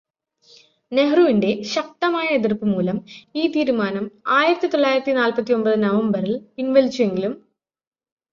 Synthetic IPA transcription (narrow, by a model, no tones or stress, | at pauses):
ne̞ɦruʋinde̞ɕɐk̚t̪ɐmaːjɐeðirpːɨmuːlɐmiːt̪iːɾumaːnɐmaːjiɾɐt̪ːit̪o̞ɭːaːjiɾɐt̪ːinaːlpɐt̪ːio̞mbɐðɨnɐʋɐmbɐrilinʋelt͡ɕːue̞ŋɡilum